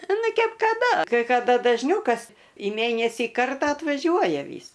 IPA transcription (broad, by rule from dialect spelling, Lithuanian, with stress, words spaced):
ˈnʊ ˈkʲɛp kɐˈdɐ kɐɪ kɐˈdɐ dɐʒʲˈnʲɛʊ kɐs iː ˈmʲeːnʲɛsʲiː ˈkɐrtɑː ɐtʋɐˈʒʲuɔjɛ ˈʋʲiːs